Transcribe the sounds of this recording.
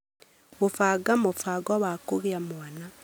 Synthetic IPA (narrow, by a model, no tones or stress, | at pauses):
βofaɡamofaɡɔwakoɣeamoana